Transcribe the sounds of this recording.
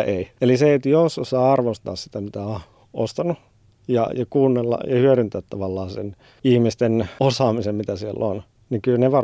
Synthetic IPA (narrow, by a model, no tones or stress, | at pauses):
eieliseet̪jososɑːɑrʋost̪ɑ̰ːssit̪æmit̪æo | ʔo̰st̪ɑnu | jɑ̰jɑkuːnːelːɑ̰jɑhyøɾynt̪æːt̪t̪ɑʋɑlːɑːnsḛn | ihmist̪enosɑːmisemmit̪æsiḛlːon | niŋkylneʋɑr